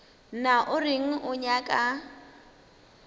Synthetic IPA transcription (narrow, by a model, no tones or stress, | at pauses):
naʔʊrɪŋ̩ʔʊɲakʼa